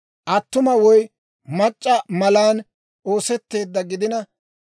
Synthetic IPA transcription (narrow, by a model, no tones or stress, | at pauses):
ʔɐt̪ːʊmɐwɔj | mɐt͡ʃʼːɐmɐlaːn | o̞ːsɛt̪ːe̞ːd̪ːɐɡɪd̪ɪnɐ